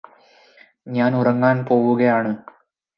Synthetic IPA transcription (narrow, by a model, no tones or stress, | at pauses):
ɲaːnurɐŋːaːnpo̞ːwuɣɐjaːɳɨ